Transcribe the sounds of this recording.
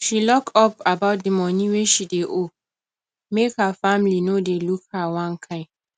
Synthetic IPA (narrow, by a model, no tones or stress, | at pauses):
ʃilɔktɔpabaʊt̚dəmɔnĩweʃideʔo | mekhafãmlinodelukhawãnkʰãɪ̃m